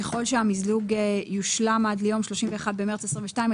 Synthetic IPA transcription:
eχo̞lʃeamizluɡejuʃlamad̪lejo̞mʃlo̞ʃimveːχad̪bemeʁt͡sesʁĩɱveʃtaim

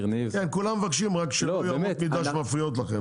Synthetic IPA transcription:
nivkenkulamevakʃimʁakʃeljamotmid̪aʃmafʁijot̪̬laχem

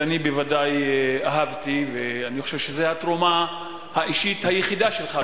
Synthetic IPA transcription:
anibevadajaɦavt̪iveaniχoʃevʃezehat̪ʁoma | haʔiʃit̪hajeχidaʃe̞lχa

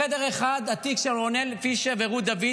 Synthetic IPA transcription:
ed̪eʁeχad̪at̪ikʃeʁonelfiʃeveʁud̪avi

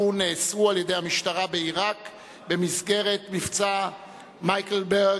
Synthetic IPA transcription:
uneːsualjedejhamiʃtaʁabeiʁak | bemisɡɛʁetmift͡sa | majkl̩bɛ

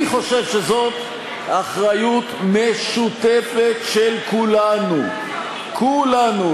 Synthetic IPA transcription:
iχo̞ʃe̞vʃezo̞t̪ | aχʁajut̪meʃut̪efet̪ʃelkulanu | kʰulanu

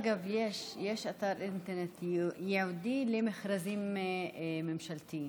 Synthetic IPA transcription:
ɡavjeʃjeʃat̪aɾint̪eɾnet̪jeʕud̪ilemeχɾazim | memʃalt̪im

